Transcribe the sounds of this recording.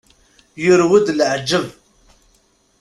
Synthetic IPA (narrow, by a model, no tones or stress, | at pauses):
jʊɾwʊd̪lʕd͡ʒːəv